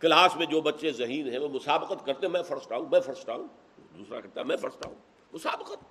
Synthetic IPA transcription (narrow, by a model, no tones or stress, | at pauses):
kɐlaːsmẽd͡ʒoːbɐtːʃezɐɦiːnɦɛ̃ʋomʊsaːbəqət̪kɐɾt̪eɦɛ̃mɛ̃fɐɾst̪aːũːmɛ̃fɐɾst̪aːɦũː | d̪uːsɾa̰kɐɾt̪aːmɛ̃fɐɾst̪a̰ːɦṵ̃ː | mʊsaːbəqət̪̚